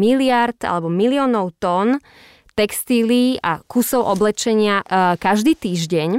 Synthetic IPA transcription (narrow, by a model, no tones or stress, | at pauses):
ilɪaɾt̪a̰lɛbɔmilɪɔːnɔʊt̪ɔn | t̪ɛkst̪iliːa̰kusɔʊʔɔblɛt͡ʃɛɲɪakaʒd̪iːt̪iːʒɟɛɲ